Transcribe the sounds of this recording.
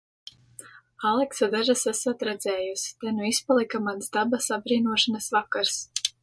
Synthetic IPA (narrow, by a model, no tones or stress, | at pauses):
alˠɛksad̪aʒasasat̪ɾɛd̪zɛːjusi̥t̪anuispalˠikamansd̪abasabɾiːnuɔʃanasvakaɾs